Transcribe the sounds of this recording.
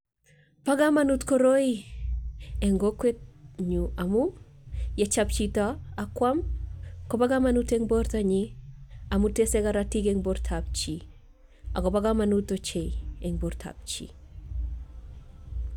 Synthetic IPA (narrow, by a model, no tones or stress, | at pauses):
paɡamanutkoɾoi | eŋɡoket̚ɲuamu | jet͡ʃap̚t͡ʃitaakwamkobaɡamanuteŋboɾtaɲiamuteseɡaɾatikeŋboɾtʰap̚t͡ʃi | aɡobaɡamanutːot͡ʃejeŋboɾtʰa̰p̚t͡ʃḭ